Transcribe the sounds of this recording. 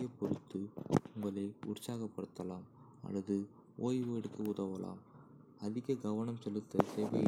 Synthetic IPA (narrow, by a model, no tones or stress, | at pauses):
ɐpɔɾɯt̪ːɯʊŋɡɐɭɐɪʊ̰rsaːɣɐpːɐɽɯt̪ːɐlaːm | ɐ̰lːɐðɯ | ʔoːjʋɛɽɯkːɐʊðɐʋɐla̰ːm | ɐðɪɣɐɡɐʋɐɳɐmsɛlːɯt̪ːɐseːʋɐ̰j